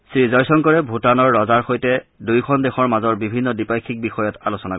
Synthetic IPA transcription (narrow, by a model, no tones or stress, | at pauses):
sɹizɔjsɔŋkɔɹɛbʱutanɔɹːɔzaɹxojtɛdujkʰɔndexɔɹmazɔɹbibʱinːɔdipajkʰik̚bixɔjɔtalosɔna